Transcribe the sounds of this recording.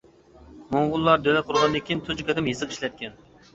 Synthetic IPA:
moŋʁʊlˠːɑɾd̪ølɛt̪qʰʊɾʁɑnɨd̪ɪkʲʰint̪ʰud͡ʒkʰʲɛt̪ɪmjɨzɨqi̥ʃlɛt̪̚kʲɛn

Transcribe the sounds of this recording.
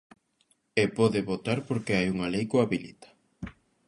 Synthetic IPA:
epɔðɪβot̪aɾpoɾkeajuŋalejkoaβilḭt̪ḁ

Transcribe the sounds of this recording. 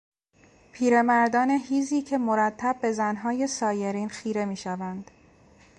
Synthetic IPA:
pʰiːɾe̞mæɾd̪ɒːne̞ɦiːziːcʰe̞moɾæt̪ʰːæb̚ːe̞zænɦɒːje̞sɒːje̞ɾiːnxiːɾe̞miːʃævænd̪̥

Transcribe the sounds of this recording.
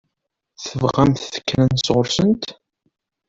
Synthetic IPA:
θəvʁæmθθə̥kːnænsʁʊɾsənt̪

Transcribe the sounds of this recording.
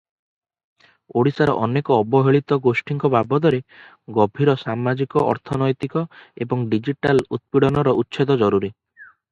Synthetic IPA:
oɽisaɾɔʔɔnekɔːbɔɦeɭit̪ɔɡosʈiŋkɔbabɔd̪ɔɾe | ɡɔbʱiɾɔsamad͡ʒikɔʔɔ̰ɾt̪ʰɔnɔjt̪ikɔebɔŋɖid͡ʒiʈalut̪̚piɽɔnɔɾɔʔutːʃʰed̪ɔd͡ʒɔɾuɾi

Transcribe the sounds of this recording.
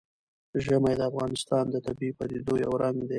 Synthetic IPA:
ʒəmajd̪əafɣɑnɪst̪ɑnd̪ət̪abipad̪ed̪ojawɾaŋɡd̪e

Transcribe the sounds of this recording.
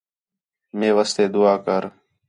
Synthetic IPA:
mẽːʋəst̪eːd̪ʊaːkəɾ

